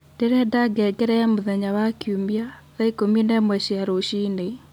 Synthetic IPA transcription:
d̥eɾɛdaɡɛɡɛɾɛamuðɛɲawakjumiaðaikominɛmwɛɕiaɾoʃine

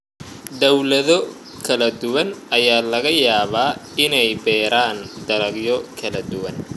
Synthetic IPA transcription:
d̪ɐwlɐðɔ | kʰɐlɐd̪ʊwɐnɐjaːlɐɣɐjaːβaːɪnɛjbɛːɾaːnd̪ɐɾɐɡjɔkʰɐlɐd̪ʊwɐn

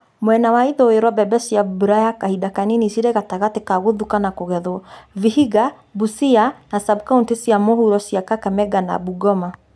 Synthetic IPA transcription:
mwɛnawaiðɔweɾɔbɛbɛsiabuɾajakahidakaninisiɾɛɣataɣatekaɣoðukanakoɣɛðwɔvihiɡa | busianasabkauntesiamohuɾɔsiakakamɛɡana̰buɡɔma

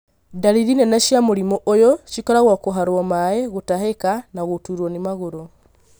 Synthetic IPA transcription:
daɾiɾinɛnaʃjamoɾimoʔojɔʃikɔɾaɣwakoɦaɾwɔmaeɣotahekanaɣotuɾwɔnimaɣoɾo

